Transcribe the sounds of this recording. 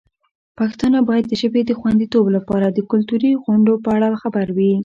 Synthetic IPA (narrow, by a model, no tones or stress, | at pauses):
pɑkɪ̥st̪ɑnabɑjad̪̚ːəʒəbed̪əxwand̪it̪oblapɑɾad̪əkʊlt̪uɾiɣʊɳɖopəaɽaxabaɾwi